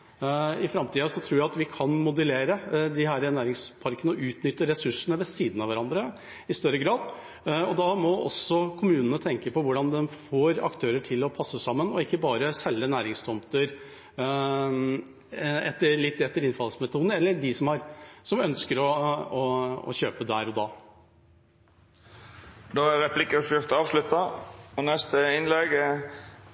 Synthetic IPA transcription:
ɪfɾɑmt̪ʰiːɑsɔt̪ʰɾuːɾjæɪɑt̪ʋɪkʰɑnmʊd̪əleːɾəd̪ɪɦæːɾənæːɾɪŋspʰɑɾkənəɔʔʉːt̪nʏt̪ːəɾɛsʉʂənəʋɛsiːd̪nɑʋæɾɑnd̪ɾə | ɪst̪œɾəɡɾɑːd̪ | ɔd̪ɑmɔʔɔ̰sːɔkʰʊmʉːnənət̪ʰɛŋkəpɔʋʊɖɑnd̪ɛnfoːɾɑ̰kt̪ʰøːɾəʈʰɪlːɔpʰɑsːəsɑmːənɔɪkːəbɑːɾəsɛlːənæːɾɪŋst̪ʰɔmt̪əɾ | ɛt̪ːəɭɪt̪ːɛt̪ːəɾɪnfɑlsmɛt̪ʰuːd̪nɛlːəɖɪsɔmɑɾsɔmœnskəɾɔɔɔ̰ɕøːpəd̪æːɾɔd̪ɑː | d̪oːæɾɛpʰlɪkːəɾsyt̪ɑːʋslʉt̪ɑɔnɛst̪əɪnlɛɡ

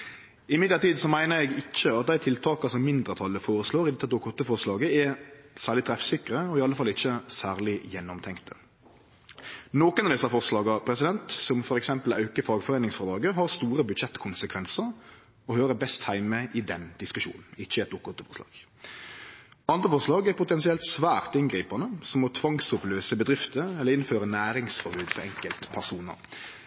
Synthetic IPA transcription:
ɪmɪd̪ləɾt̪iːd̪sɔmæɪnəɾɛɡɪt͡ʃːəɑt̪̚d̪æɪt̪ʰɪlt̪ʰɑːkɑsɔmːɪnd̪ɾʁət̪ʰɑlːəfoːɾəsloːɾɪd̪ɛt̪ːəd̪ʊkːɔt̪ːəfɔʁslɑːɡəɛsæːʁlɪt̪ʰɾɛfsɪkɾəɔɪɑləfɑlːɪçːəsæːʁlɪjɛnːɔmt̪ʰɛŋkt̪ʰə | noːkənɑʋd̪ɛsːɑfɔʁslɑːɡɑpʰɾɛsɪd̪ɛnt̪sɔmfɔɾɛksɛmpəlɑʉkəfɑːɡfɔʁeːnɪŋsfɔʁd̪ɾɑːɡəɦɑʁst̪uːɾəbʉd̪ʃɛt̪ːkʰʊnsəkʰʋɛnsəɾ | ɔhøːɾəbɛst̪hæɪmməʔɪd̪ɛnd̪̥ɪskʉʃṵːnn̩ɪçːəɛt̪ʊkːɔt̪ːəfɔɾʂlɑ̰ːɡ̥ | ɑnd̪ʁəfɔʁʂlɑːɡæɾpʰʊt̪ɛnsɪɛlt̪sʋæːʁt̪ɪnɡʁiːpɑnəsɔmɔt̪ʰʋɑŋsʊpløːsəbəd̪ɾɪft̪əɛlːəɾɪnføːɾənæːɾɪŋsfɔɾbʉːd̪fɔɾɛŋkəlt̪pʰæʁsuːnə̰ɾ

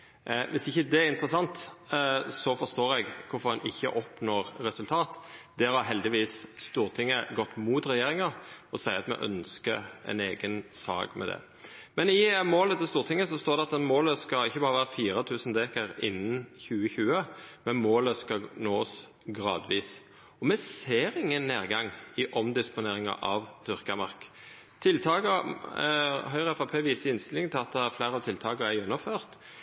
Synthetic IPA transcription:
ʋɪsɪçːəd̪ɛæɾɪnt̪ɾəsɑnt̪ | sɔfɔst̪oːɾɛɡkʰʊfɔɾʁɑnʔɪçːə̰ʔɔpnoːʁɾɛsʉlt̪ʰɑːt̪d̪ɛhɑɾɦɛld̪ɪʋiːsst̪uːʁt̪ʰɪŋːəɡɔt̪ːmuːt̪ɾɛjeːɾɪŋɑɔsæɪɑt̪mɛ̰ʔœ̰nskə̰ɛ̰neːɡənsɑ̰ːɡmʔɛ̰d̪ɛ̰ | mɛnɪmoːlət̪ʰɪlst̪uːʁt̪ʰɪŋːəsɔst̪oːɾd̪ɛɑt̪ɛnmoːləskɑlɪçːəbɑːɾəʋæːʁəfiːɾət̪ʰʉːsn̩d̪eːkəɾɪnːən̩çʉːəçʉːəmɛnmoːləskɑnoːs | ɡʁɑ̰ːd̪ʋiːs | ɔmɛseːɾɪŋːənːeːʁɡɑŋɪʔɔmd̪ɪspʊneːʁɪŋɑ̰ʔɑʋt̪ʰʏʁkɑmɑʁk | t̪ʰɪlt̪ʰɑːkə | ɦœʏʁəɛfɑpʰeːʋiːsəɪnst̪ɪlɪŋt̪ʰɪlɑt̪̚d̪ɛæflæɪʁɑʋt̪ɪlt̪ʰɑːkəɾæɪʉnːəføːʁt̪

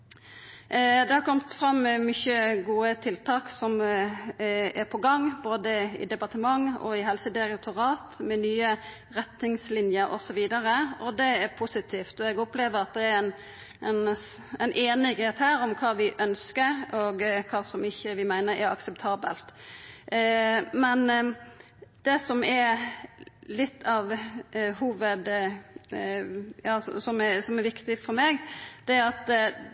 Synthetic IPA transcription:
d̪ɛhɑɾkʰɔmt̪fɾɑmːɛmʏçəɡuːət̪ʰɪlt̪ʰɑːksɔm | ɛɾpʰɔɡɑŋːboːd̪əɪ̰d̪ɛpɑʁt̪əmɑŋɔ̰ɪɦɛlsəd̪ɪɾɛt̪ʰʊɾɑːt̪mɛnyːə | ɾɛt̪nɪŋslɪnjəɾɔ̰sɔʋiːd̪əɾəɔd̪ɛæɾpʰusɪt̪ʰiːft̪ɔɛɡɔpleːʋəɾɑt̪̚d̪ɛæɾɛn | ɛn | ɛɪnʔeːnɪɡheːt̪hæːɾɔmkʰɑːʋɪʔœnskəɾɔɡkʰɑːsɔmɪçːəʋɪmæɪnəɾɛɾɑ̰ksɛpt̪ʰɑːbə̰lt̪ | mɛn | d̪̥ɛsɔmɛɾ | lɪt̪ʰːɑʋɦuːʋəd̪ | jɑːssɔmɛsɔmæɾʋɪkt̪ɪfɔɾmeːɡd̪̥ɛæɾɑt̪

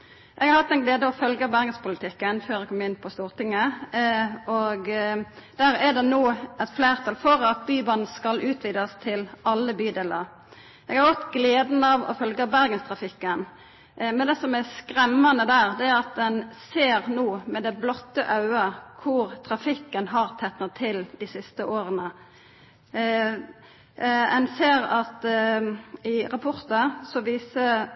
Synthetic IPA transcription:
ʔɛɡhɑɾhɑt̪ːɛnɡleːd̪əɔfœlɡəbæɾɡənspʊlət̪ʰɪkːənføːɾɛkʰɔmːɪnːpʰɔst̪uːʁt̪ʰɪŋːə | ɔɡd̪̥æːɾæɖ̪ɛnoːɛt̪fleːʁt̪ʰɑlfɔɾɑt̪̚byːbɑn̩skɑlʔʉːt̪ʰʋiːd̪ɑst̪ʰɪlɑlːəbyːd̪eːləɾ | ʔɛɡhɑɾɡɔt̪ːɡleːd̪n̩ɑʋɔ̰fœlɡəbæɾɡənst̪ʰɾɑfɪkːən | mɛnd̪ɛsɔmæskɾɛmːɑnəd̪æːʁd̪ɛæʁɑt̪̚d̪ɛnseːɾnoːmɛd̪ɛblɔt̪ːəʔɑʉəkʰʊʁt̪ʰɾɑfɪkːənɦɑʁt̪ʰɛt̪nɑt̪ʰɪld̪ɪsɪst̪əʔoːɾənə | ɛnseːɾɑt̪ | ɪʁɑpʰɔɾt̪əsɔʋiːsə

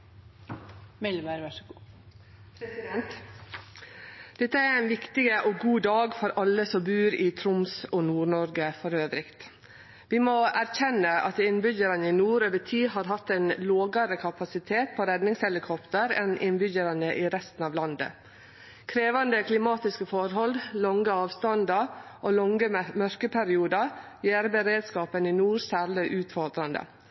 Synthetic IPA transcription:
mɛlmeɾʋæ | pʰɾɛsɪd̪ɛnt̪ | d̪̥ɛt̪ːəæɾæɪnʋɪkt̪ɪɡəʔɔɡuːd̪ɑːɡfɔɾɑlːəsɔmbʉːɾɪt̪ʰɾʊmsɔnuːɾɳɔɾɡəfɔɾøːʋɾɪkt̪ | ʋɪmɔæɾçɛnːəʔɑ̰t̪ɪnbʏɟəɾɑnəɪnuːɾøːʋəʈʰiːɦɑɾɦɑt̪ːɛɪnloːɡəɾəkʰɑpɑsɪt̪ʰeːt̪̚pʰɔɾɛd̪nɪŋshɛlɪkʰɔpt̪əɾɛ̰nʔɪnbʏɟəɾɑnəʔɪɾɛst̪n̩ɑːʋlɑnd̪ə̰ | kʰɾeːʋɑnd̪əkʰlɪmɑːt̪ɪskəfɔɾɦɔld̪lɔŋɡəɑːʋst̪ɑnd̪ɑʔolɔŋəmœɾkəpʰæɾɪuːd̪əjeːɾbəɾeːd̪skɑːpənɪnuːɾsæːɾɭɪʔʉːt̪fɔɾd̪ɾɑnd̪ə̰

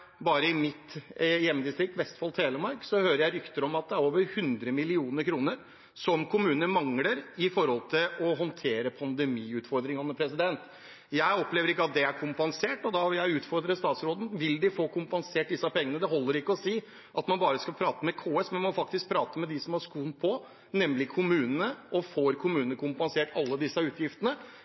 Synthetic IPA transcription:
bɑːɾəɪmɪt̪jɛmːd̪ɪst̪ɾɪk̚t̪ʋɛst̪fɑlt̪ʰeːləmɑɾksɔhøːɾəɾjæɪɾʏkt̪əɾɔmɑt̪̚d̪ɛæɾoːʋəɾhʉnd̪ɾəmɪlɪuːnəɾkʰɾuːnəɾ | sɔmkʰʊmʉːnəmɑŋləɾɪfɔɾhɔlt̪ʰɪlɔɦɔnt̪ʰeːɾəpʰɑnd̪ɛmiːʉːt̪fɔɾd̪ɾɪŋɑnəpʰɾɛsɪd̪ɛnt̪ | jæɪɔpleːʋəɾɪkːəɑt̪̚d̪ɛæɾkʰʊmpɑnseːʈɔd̪ɑʋɪljæɪʉːt̪fɔɾd̪ɾəst̪ɑːt̪sɾoːd̪n̩ʋɪld̪ɪfoːkʊmpɑnseːʈ̚d̪ɪsːɑpʰɛŋːənəd̪ɛɦɔlːəɾɪkːəɔsiː | ʔɑt̪mɑnbɑːɾəskɑlpʰɾɑːt̪əmɛkʰoːɛsmɛnmɔfɑk̚t̪ɪsk̚pʰɾɑːt̪əmɛd̪ɪsɔmɑʂkuːnpʰɔ | nɛmlɪkʰʊmʉːnənəʔɔfoːɾkʰʊmʉːnənəkʰʊmpɑnseːʈɑlːəd̪ɪsːəʉːt̪ʰjɪft̪ənə

